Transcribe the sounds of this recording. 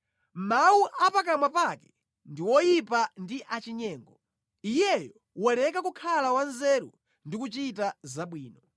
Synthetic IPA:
mauʔapak̬amwapakɛ̥ | ndiwɔjipandiʔat͡ʃiɲɛːŋɡɔ | ijɛjɔ | wɔlɛkak̬ukʰalawanzɛːɾṵ | ndikut͡ʃitazaɓwiːnɔ

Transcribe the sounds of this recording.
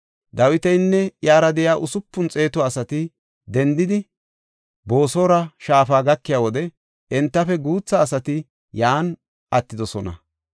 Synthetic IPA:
d̪ɐwɪt̪ɛjnːɛjaːɾɐd̪ɛjaːʔʊsʊpːʊnt͡sʼe̞ːt̪ʊaːsɐt̪ɪ | d̪ɛnd̪ɪd̪ɪ | bo̞ːso̞ːɾɐʃaːfaːɡɐkːɪjaːwɔd̪ɛ | ɛnt̪ːɐfɛɡuːt͡sːɐːsɐt̪ɪ | jaːn | ʔɐt̪ːɪd̪ɔsɔnɐ̰

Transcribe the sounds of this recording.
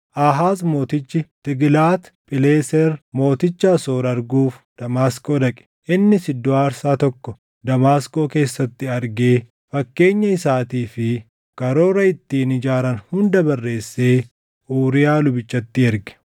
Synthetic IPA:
ʔaːɦaːzmo̞ːt̪ɪt͡ʃːɪt̪ɪɡlaːt̪pʼɪle̞ːsɛɾmo̞ːt̪ɪt͡ʃːaːsoːɾɐɾɡuːfd̪̥ɐmaːsko̞ːd̪ɐkʼɛ̥ʔɪnːɪsɪd̪ːoaːɾsaːt̪ɔkːɔ | d̪ɐmaːsko̞ːke̞ːsːɐt̪ːɪɐɾɡe̞ː | fɐkːe̞ːɲːɐɪsaːt̪iːfɪ | kɐɾo̞ːɾɐɪt̪ːiːnɪd͡ʒaːɾɐnhʊnd̪ɐbɐrːe̞ːsːe̞ː | ʔuːɾɪjaːlʊbɪt͡ʃːɐt̪ːɪɛɾɡɛ̥

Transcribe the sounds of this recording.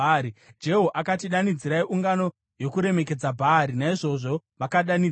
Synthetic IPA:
ɾid͡ʒe̞ɦoʔakatiɗanid͡ziɾaiʔuŋɡano̞ | jo̞kuɾe̞me̞ke̞d͡zabʱaɾinaiʐo̞ʐo̞ʋakaɗani

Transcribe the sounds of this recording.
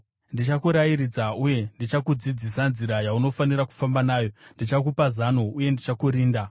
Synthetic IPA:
ndit͡ʃakuɾajirid͡zauje̞ndit͡ʃakud͡zid͡zisanziɾajauno̞faniraku̥fambanaːjo̞ndit͡ʃakupazanouje̞ndit͡ʃakuɾiːnda

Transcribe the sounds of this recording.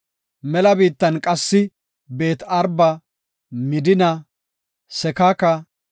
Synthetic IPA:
mɛlɐbiːt̪ːɐnkʼɐsːɪ | be̞ːt̪ɐɾbɐ | mɪd̪ɪnɐ | sɛkakɐ

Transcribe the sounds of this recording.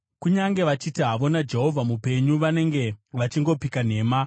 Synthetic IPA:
kuɲaŋɡe̞ʋat͡ʃitiɦaʋo̞nad͡ʒe̞ɦo̞vʱamupe̞ɲuʋane̞ŋɡe̞ʋat͡ʃiŋɡo̞pikan̤e̞ːma

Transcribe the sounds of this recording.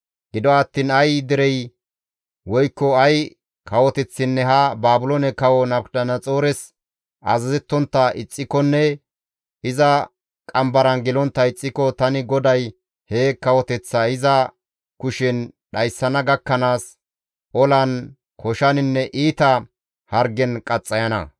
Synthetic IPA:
ɡ̥ɪd̪ɔɐt̪ːiːnɐjd̪ɪɾɛj | wɔjkːɔɐj | kʰɐwɔt̪ɛt͡sːɪnːɛɦɐbaːbʊlonɛkɐwɔnɐbɗɐnɐt͡sʼoːɾɛs | ʔɐ̰zɐzɛt̪ːɔnt̪ːɐʔɪt͡sʼːɪkɔnːɛ | ɪzɐ | kʼɐmbɐɾɐnɡɪlɔnt̪ːɐɪt͡sʼːɪkɔt̪ɐnɪɡɔd̪ɐj | heːkɐwɔt̪ɛt͡sːɐɪzɐ | kʊʃɛnɗɐjsːɐnɐɡɐkːɐnaːs | ʔɔlɐn | kʰɔʃɐnɪnːɛʔiːt̪ɐ | hɐɾɡɛnkʼɐt͡sʼːɐjɐnɐ̰

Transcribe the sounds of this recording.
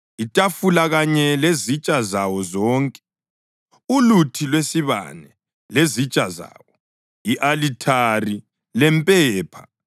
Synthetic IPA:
itʼafulaɣaɲɛlezit͡ʃʼazawɔzɔːŋkʼɛ | ulutʰilwesiβa̰nɛ | lezit͡ʃʼaza̰ːwɔ | iʔalitʰari | lɛmpʼɛːpʰa

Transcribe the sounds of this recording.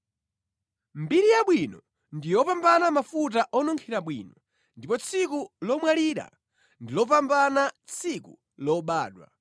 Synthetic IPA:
mbiɾijaɓwinɔ | ndijɔpambanamafut̬aʔɔnɔŋkʰiɾaɓwḭːnɔ | ndipɔt͡sʰikulɔmwaliɾa̰ | ndilɔp̬ambanat͡sʰiku | lɔɓaːɗwa̰

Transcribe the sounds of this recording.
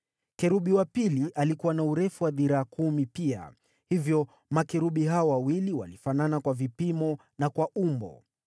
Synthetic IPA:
kɛɾuɓiwapiliʔalikuwanauɾɛfuwaðiɾaːkʰumipia̰ | hivjɔ | makɛɾuɓiɦaɔwawiliwa̰lifananakwavipimɔ | nakwaʔumbɔ̰

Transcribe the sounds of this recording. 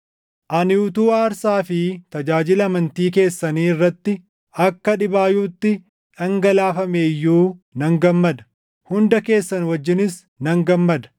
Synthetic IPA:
ʔɐnɪʊt̪uːaːɾsaːfɪt̪ɐd͡ʒaːd͡ʒɪlɐmɐnt̪iːke̞ːsːɐniːɪrːɐt̪ːɪ | ɐkːɐᶑɪbaːjuːt̪ːɪ | ᶑɐŋɡɐlaːfɐmeːjːuːnɐŋɡɐmːɐd̪ɐ̥ | hʊnd̪ɐke̞ːsːɐnwɐd͡ʒːɪnɪs | nɐŋɡɐmːɐd̪ɐ̥

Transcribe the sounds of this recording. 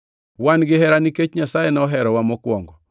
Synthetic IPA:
wanɡɪɦɛɾaniket͡ʃɲasajenaɔɦɛɾɔwamɔkwɔŋɡɔ

